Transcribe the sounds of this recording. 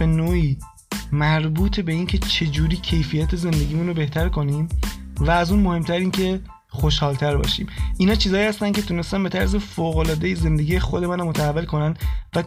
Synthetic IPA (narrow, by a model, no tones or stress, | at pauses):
b̥e̞noːʔiː | mæɾbuːt̪ʰebe̞iːncʰe̞t͡ʃʰe̞d͡ʒuːɾiːcʰe̞jfijæt̪ʰeze̞nd̪e̞ɟiːmunɾobe̞ht̪ʰæɾkʰo̞niːmvæːzunmo̞he̞mt̪ʰæɾiːncʰe̞ | xo̞ʃhɒːlt̪ʰæɾbɒ̰ːʃḭːmʔinhɒːt͡ʃʰiːzɒːjiːhæst̪æncʰe̞t̪ʰune̞st̪ænbe̞t̪ʰæɾs̬e̞foːɣo̞lɒːd̪e̞jeze̞nd̪e̞ɡiːjexod̪e̞mænamot̪ʰæævːelkʰo̞nænd̪væ